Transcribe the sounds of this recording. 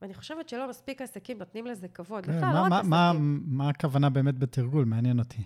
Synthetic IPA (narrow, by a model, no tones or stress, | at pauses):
aniχo̞ʃevett͡ʃelo̞maspikasakimnot̪nimlezekavo̞d̪emamamamaːkavanabe̞emet̚bet̪ʰiʁɡulmeanjenot̪ʰi